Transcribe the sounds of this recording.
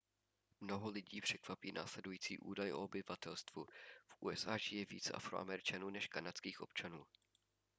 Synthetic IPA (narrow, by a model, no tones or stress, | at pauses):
mno̞ɦolɪɟiːpr̥ɛkvapiːnʔa̰ːslɛdujiːt͡siːʔṵːdajʔo̞̰obɪvat̪ɛlst̪vufʔuːɛsʔaːʒɪjɛvḭːt͡sɛʔa̰fɾo̰ʔa̰mɛɾɪt͡ʃanuːnɛʃkanat͡skiːxʔo̞̰pt͡ʃanuː